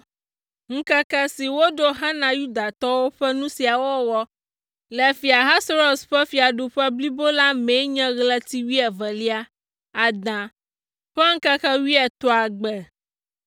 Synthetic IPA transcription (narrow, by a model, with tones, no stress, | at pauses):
ŋ̩˦kɛ˦kɛ˦si˨wo˦ɖo˦ɦã˦nã˨ju˦d̪a˨t̪ɔ˦wo˦ɸɛ˦nũ˦si˨a˨wɔ˦wɔ˦ | lɛ˨fi˨a˨ɦã˦sɾo˨sɸɛ˦fi˨a˨ɖo˨ɸɛ˦bli˦bo˦la˦me˨˦ɲɛ̃˦ɣlɛ˦t̪i˦wi˦ɛ˨vɛ˨li˦a˦ | a˨d̪ã˨ | ɸɛ˦ŋ̩˦kɛ˦kɛ˦wi˦ɛ˨t̪ɔ˦a˨ɡ͡bɛ˨